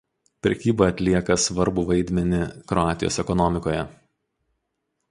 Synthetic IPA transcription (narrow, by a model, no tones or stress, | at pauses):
pʲɾʲɛkʲiːbɐɐt̪ʲlʲiɛkɐsʋɐɾbʊʋɐɪd̪ʲmʲɛnʲɪkɾɔɑːt̪ʲɪjo̰ːsɛkɔnɔmʲɪkoːjɛ